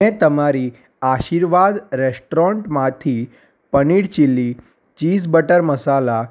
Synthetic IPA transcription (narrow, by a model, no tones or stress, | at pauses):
et̪əmaɾiː | aɕiːɾʋad̪ɾesʈɾɔɳʈmat̪ʰiː | pəniːɽt͡ɕilːiː | t͡ɕiːd͡zbəʈəɾməsala